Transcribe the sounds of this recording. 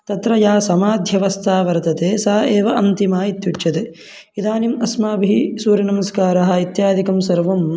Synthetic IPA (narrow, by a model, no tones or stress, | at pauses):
t̪ɐt̪ɾɐjaːsɐmaːd̪ʱjɐʋɐst̪ʰaːʋɐɾt̪ɐt̪eːsaːɐeːʋɐʔɐnt̪imaːit̪juʈʃɐt̪e | id̪aːnimɐsmaːbʱisuːɾjɐnɐmɐskaːɾɐɦɐ̆it̪jaːd̪ʱikɐmsɐɾʋɐm